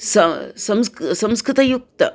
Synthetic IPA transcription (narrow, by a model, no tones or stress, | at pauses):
sɐsɐmssɐ̃mskɾɪt̪ɐjuk̚t̪ɐ